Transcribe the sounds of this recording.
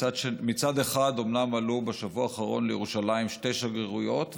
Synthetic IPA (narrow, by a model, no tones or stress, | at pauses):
ad̪ʃemit͡sad̪e̞χad̪o̞mnamalubeʃavuaːχaʁo̞̰nlejḛʁuʃalaimʃte̞jʃaɡʁeʁujo̞t